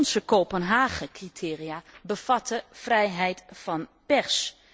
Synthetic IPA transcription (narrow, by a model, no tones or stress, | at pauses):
nsəkoːpənɦaːχəkritʰɪːriaːbəv̥ɑtəv̥rɛjɦɛjtfɑnpɛɹs